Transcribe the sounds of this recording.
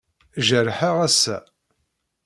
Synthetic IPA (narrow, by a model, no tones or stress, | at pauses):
ʒəɾħaʁæsæ̰